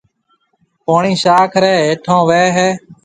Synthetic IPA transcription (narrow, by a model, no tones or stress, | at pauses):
poːɳiːʃaːkʰɾeːeːʈʰõːʋeːɦeː